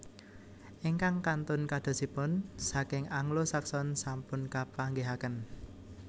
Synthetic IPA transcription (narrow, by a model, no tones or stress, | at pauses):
ʔiŋkaŋkant̪ʊnkad̪̥o̤sipʊnsakɪŋaŋlosaksɔnsampʊnkapaŋɡeɦakən